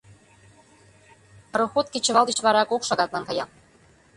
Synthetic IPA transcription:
ɾoxot̪̚kʲet͡ɕə̆βɑlˠd̪it͡ɕβɑɾɑkokʃɑɣɑt̪lɑnkɑjɑ̰

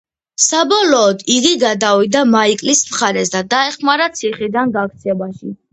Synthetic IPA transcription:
sabɔlɔːd̪iɡiɡad̪awid̪amaikʼlismχaɾɛsd̪ad̪aɛχmaɾat̪sʰiχid̪anɡak̚t̪sʰɛbaʃi

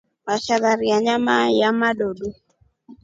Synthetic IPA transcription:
maʃaðaɾiaɲamajamaɗoɗo

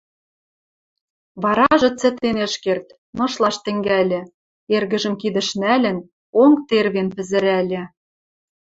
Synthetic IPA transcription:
βɑɾɑʒɤ̆t͡sɘ̆t̪enɘ̆ʃkert̪ | mɤ̆ʃlˠɑʃt̪ɘ̆ŋɡælʲɘ̆ | erɣə̆ʒə̆mkid̪ə̆ʃnælʲɘ̆n | oŋt̪erβenpɘ̆zɘ̆ɾælʲĕ

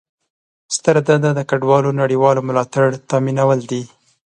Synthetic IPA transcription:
st̪əɾad̪ad̪ad̪əkaɖwɑlonaɽiwɑlomʊlɑt̪aɽt̪ɑminawəld̪i

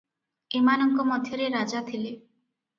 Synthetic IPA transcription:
emanɔŋkɔmɔd̪ʱjɔɾeɾad͡ʒat̪ʰile

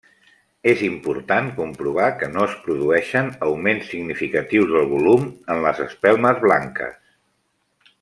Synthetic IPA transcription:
ezimpuɾt̪ankumpɾuβ̞akənoəspɾuðuɛʃənəwmensːiɡnifikət̪iwzðəlˠβulumənləzə̰spɛlˠməzβlaŋkə̰s

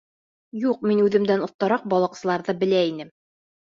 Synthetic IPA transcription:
juq̚minʉðɘ̆md̪ænŏθt̪ːɑɾɑq̚bɒlˠɑ̆qsɤ̆lˠɑɾðɤbɘ̆læinɘm

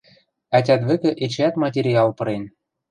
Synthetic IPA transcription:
ætʲæt̪βɘ̆kɘ̆ʔet͡ɕæt̪mɑt̬ʲeɾʲiɑlˠpɤ̆ɾen

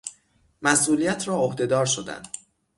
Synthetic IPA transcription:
mæsʔuːlijæt̪ʰɾɒːohd̪e̞d̪ɒːɾʃo̞d̪æ̰nd̪

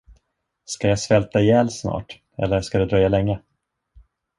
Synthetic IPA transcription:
skajasvɛlt̪ajɛːlsnɑ̰ːʈ | ɛ̰lːəʂkad̪ɛd̪ɾœjːalɛŋːə

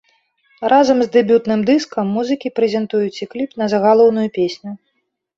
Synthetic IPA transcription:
ɾʔazɐmzʲd̪ɛbʲut̪nɨmd̪ɨskɐmːuzɨkʲipɾɛzʲɛnt̪ujut͡sʲiklʲipnɐzɐɣalˠɔwn̪ujupʲesʲnʲu

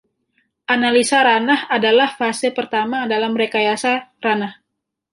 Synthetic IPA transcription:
ʔanalisaɾanahadalahfasepərt̪amadalamɾekajasaranah

